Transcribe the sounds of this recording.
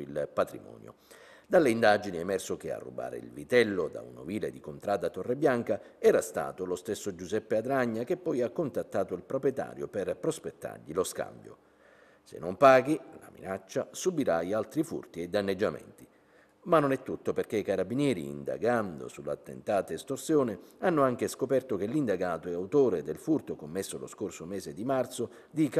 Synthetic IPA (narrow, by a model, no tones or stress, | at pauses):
ilpat̪ɾimɔ̰ːnjo̰ | d̪alːeind̪ad͡ʒiniɛmɛrsok̟ea̰rːṵba̰ːɾḛḭlvit̪ɛlːod̪a̰ṵnoviːled̪ikont̪ɾaːd̪at̪ːɔrːebːjaŋkaɛːɾast̪a̰ːt̪olost̪esːod͡ʒuzɛpːead̪ɾaɲːak̟epːɔjakːont̪at̪ːaːt̪oilpɾopɾjɛt̪a̰ːɾjoperpɾospet̪ːa̰rʎiloska̰mbjo̰ | sḛnːompaːɡila̰mḭnat͡ʃːasubiɾaialt̪ɾifṵrt̪iɛd̪ːanːed͡ʒːamɛ̰nt̪i | manːonɛt̪ːut̪ːoperk̟eikaɾabːinjɛːɾḭːnd̪a̰ɡand̪o̰sulːa̰t̪ːḛnt̪aːt̪aist̪orsjoːnɪanːʊaŋk̟eskopɛrt̪ok̟elːind̪aɡaːt̪oɛawt̪oːɾed̪elfurt̪okomːesːolo̰skorsomɛːzed̪imart̪so | d̪ik